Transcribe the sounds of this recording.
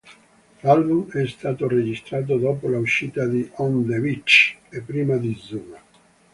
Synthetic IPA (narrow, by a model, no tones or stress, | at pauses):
lalbumɛst̪aːt̪ored͡ʒist̪ɾaːt̪̬od̪oːpolauʃiːt̪ad̪iʔɔnd̪evit͡ʃepːɾiːmad̪id̪zːuːna